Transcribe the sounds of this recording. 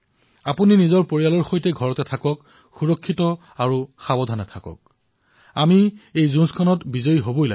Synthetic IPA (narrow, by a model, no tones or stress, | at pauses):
apuninizɔɹpoɹialɔɹxojtɛɡʱɔɹɔtɛtʰakɔk | xuɹɔkʰːitɔ | aɹuxabɔdʱanɛtʰakɔ̰k̚ | amiejzũnskʰɔnɔtbizoiɦobojla̰